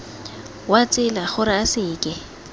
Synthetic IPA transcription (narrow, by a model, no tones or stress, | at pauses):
wat͡sʼɪlaχʊɾɪasɪːkʼɪ